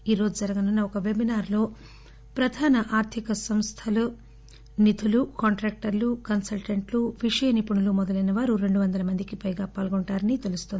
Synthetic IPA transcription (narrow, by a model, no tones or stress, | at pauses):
iːɾo̞ːd͡ʒud͡ʒɐɾɐɡɐnunːɐɔkɐʋe̞binaːɾlo̞ː | pɾɐd̪ʱaːnɐʔaːɾt̪ʰikɐsɐmst̪ʰɐlu | nit̪ʰulukaːɳʈɾeːk̚ʈɐɾlukɐnsɐlʈɐɳʈluʋiʂɐjɐnipuɳulumɔd̪ɐlɐjnɐʋaːɾuɾe̞ɳɖuʋɐnd̪ɐlɐmɐnd̪ikipɐjɡaːpaːlɡoɳʈaːɾɐnit̪e̞lust̪ond̪i